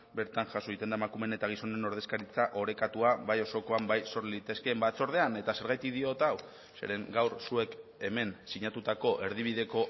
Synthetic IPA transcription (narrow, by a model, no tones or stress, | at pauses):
be̞ɾt̪anʝasoit̪e̞nd̪aemakume̞ne̞t̪aɣ̞iso̞ne̞no̞ɾð̞ekaɾit͡saʔo̞ɾe̞kat̪uaβajo̞so̞ko̞ambajso̞ɾliit̪e̞ske̞ːmbat͡so̞ɾð̞e̞ane̞t̪ase̞ɾɣajt̪ikðio̞t̪aw | se̞̰ɾe̞ŋɡawɾsue̞ke̞me̞nsiɲat̪ut̪ako̞ʔe̞ɾð̞iβ̞iðe̞ko̞